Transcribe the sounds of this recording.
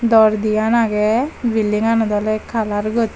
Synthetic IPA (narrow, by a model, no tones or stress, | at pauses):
d̪ɔɾd̪ijanaɡɛʋiliŋanɔd̪ɔlɛkʰalaɾɡɔt̪